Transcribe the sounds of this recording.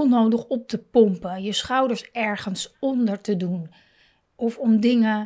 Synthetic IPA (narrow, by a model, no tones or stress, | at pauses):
lˠnowdəχɔp̚təpɔmpəjəsχɑwdəɹsɛɹχənsɔndəɹtədun | ɔfɔmdɪŋə